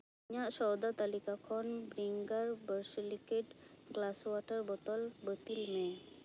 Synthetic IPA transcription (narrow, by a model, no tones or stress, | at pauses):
ɲaʔsɔwd̪at̪alikakʰɔnbɾiŋɡaɾbəɾslikeʈ | ɡlaswɔʈəɾbɔt̪ɔlbət̪ilme